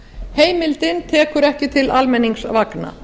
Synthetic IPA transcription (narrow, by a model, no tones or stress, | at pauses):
heːjmɪlt̪ɪnt̪ʰɛːkʏɾɛhcɪt̪ʰɪlalmɛnːiŋksvakna̰